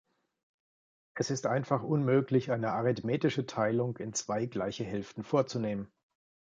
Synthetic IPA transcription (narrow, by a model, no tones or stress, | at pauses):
ʔɛsɪstʔaɪnfaχʔʊnmøːklɪçʔaɪnəʔaʁɪtmeːtɪʃətʰaɪlʊŋkɪnt͡sv̥aɪɡlaɪçəɦɛlftn̩foːɐt͡suneːmən